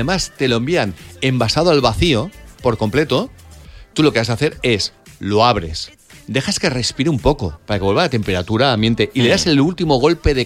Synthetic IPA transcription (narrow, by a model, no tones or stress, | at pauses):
emast̪e̞loembiane̞mbasað̞oalβaθio̞po̞ɾko̞mple̞t̪o̞t̪uloke̞βas̬aθeɾe̞slo̞aβ̞ɾe̞s | d̪e̞xaske̞re̞spiɾeumpo̞ko̞paɾake̞βe̞lβaat̪e̞mpe̞ɾat̪uɾaːmjent̪e̞ʔile̞ðase̞lult̪imo̞ɣ̞o̞lpe̞ðe